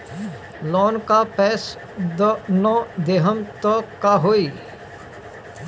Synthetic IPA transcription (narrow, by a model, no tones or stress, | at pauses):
lɔːnkapɛːs | d̪nõd̪eːɦəmt̪ɔkaɦoːiː